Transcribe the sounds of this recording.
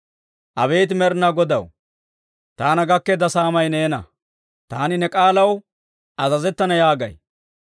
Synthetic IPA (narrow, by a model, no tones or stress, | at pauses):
ʔɐbe̞ːt̪mɛɾnɐɡɔd̪ɐw | t̪aːnɐɡɐkːɛd̪ɐsaːmɐjneːnɐ̰ | t̪aːnɪnɛkʼaːlɐw | ʔɐzɐzɛt̪ːɐnɐjaːɡɐ̰j